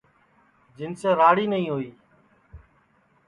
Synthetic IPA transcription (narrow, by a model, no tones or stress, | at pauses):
d͡ʒɪnseːɾaːɽiːnəɦĩːɦoːiː